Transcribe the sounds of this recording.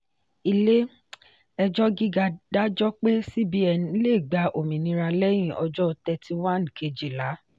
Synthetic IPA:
i˧le˦ | ɛ˧d͡ʒɔ˦ɡi˦ɡa˧da˦d͡ʒɔ˦k͡pe˦si˦bi˦ɛ˧˨nĩ˧˦le˦˨ɡ͡ba˧ʔo˨mĩ˨nĩ˧˦ɾa˧lɛ˦j̃ĩ˦˨ʔɔ̰˧d͡ʒɔ˦˧tɛ˧ti˧wa˦˨n˨kʰe˨˧d͡ʒi˨la˨˦

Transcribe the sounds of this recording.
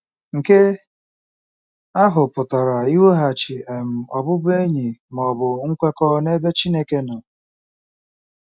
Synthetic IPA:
ŋ̩˨ke˦ | a˦ɦʊ˨pʊ˨tɔ˨ɾa˨i˦wo˦ɦa˨t͡ʃi˨e˨m̩˨ɔ˨bʊ˦bʊ˦e˦ɲi˨m˨ɔ˨bʊ˨ŋ̩˦kʷe˦kɔ˦ne˦be˦t͡ʃi˦ne˦ke˦nʊ˨

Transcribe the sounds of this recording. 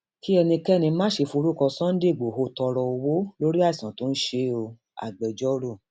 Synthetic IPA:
ki˦ɛ˧nĩ˧kɛ˦˨nĩ˧˦mãː˦ʃe˧fu˧ɾu˦kɔ̃˧sã˦n̩˦de˦˨ɡ͡bo˨ɦo˧˦tɔ˧ɾɔ˧o˧wo˦lo˦ɾi˦a˦˨sã˨˦to˨˦n̩˦ʃe˧˦o˧ | a̰˨ɡ͡bɛ˨d͡ʒɔ˦ɾo˦˨

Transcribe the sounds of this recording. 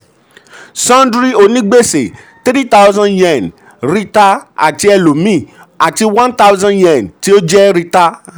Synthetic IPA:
sã˦ndɾi˦o˨nĩ˦ɡ͡be˦˨se˨ | t̪e˦ɾi˦ta˦wzã˧njɛ̃˨n | ɾi˦ta˦a̰˨ti˧˦ɛ˧lo˨mĩ˦˨ | a˨ti˧wã˦nta˦wzã˦njɛ̃˨nti˦o˦d͡ʒɛ˦ɾi˧ta˧

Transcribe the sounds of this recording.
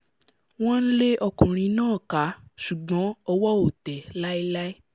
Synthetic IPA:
w̃ɔ̃˦n̩˦le˦ʔɔ˧kũ˨ɾ̃ĩ˧nãː˦˨ka˨˦ʃu˨ɡ͡bɔ̃˨˦ɔ˧wɔ˦o˨tɛ˨la˦i˦la˦i˦

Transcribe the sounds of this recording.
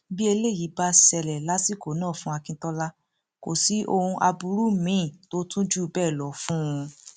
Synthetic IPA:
bi˦e˧le˦˨ji˨˦ba˧˦sɛ˧lɛ˨la˦si˦˨ko˨˦nãː˦˨fũ˧˦a˧kĩ˦tɔ˦la˦ | ko̰˨si˨˦ʔo˧hũ˧ʔa˧bu˧ɾu˦mĩ˦˨to˦tũ˦d͡ʒu˦˨˧bɛː˦˨lɔ˨˦fũ˦ũ˧

